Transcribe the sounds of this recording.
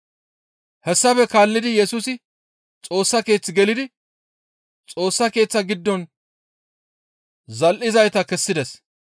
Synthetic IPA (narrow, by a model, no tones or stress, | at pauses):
hɛsːɐfɛkaːlːɪd̪ɪjɛsʊsɪ | t͡sʼo̞ːsːɐke̞ːt͡sːɪɡɛlɪd̪ɪ | t͡sʼo̞ːsːɐke̞ːt͡sːɐɡɪd̪ːɔn | zɐlʔɪzɐjt̪ɐkɛsːɪd̪ɛs